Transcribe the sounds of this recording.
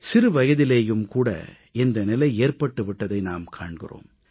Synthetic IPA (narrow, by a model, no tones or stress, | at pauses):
sɪɾɯʋɐjɐðɪleːjɯmkuːɽɐ̰ | ɛnd̪ɐnɪlɐɪeːrpɐʈːɯʋɪʈːɐðɐɪnaːmkʰa̰ːɳɡɪro̰ːm